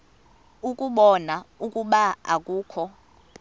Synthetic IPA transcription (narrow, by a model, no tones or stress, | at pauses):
ukʼuɓɔnaukʼuɓaa̰k̬ʼuːkʰɔ